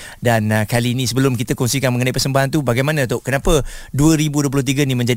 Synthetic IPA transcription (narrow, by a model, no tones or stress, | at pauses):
dankaliːnisəbəlʊmkit̪əkɔŋsikanməŋənaipərsəmbaɦant̪ubaɡajmanãt̪oʔkənapəduəɾibuduəpulʊht̪̬iɡənimə̃ɲd͡ʒa